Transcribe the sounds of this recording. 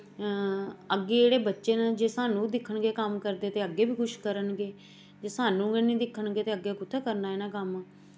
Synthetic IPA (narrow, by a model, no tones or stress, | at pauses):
əɡːeːeːɽeːbətːʃeːnad͡ʒeːsaːnũːd̪ɪkʰːəɳɡeːkəmkəɾd̪eːt̪eːəɡːeːbiːkʰʊʃkəɾənɡeː | d͡ʒeːsaːnũːɡenĩːd̪ɪkʰːəɳɡeːt̪eːəɡːeːkʊt̪ʰeːkəɾnaːeːnaːkəm